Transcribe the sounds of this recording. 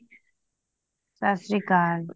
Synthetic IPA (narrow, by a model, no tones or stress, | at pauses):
sasɾikaːɾ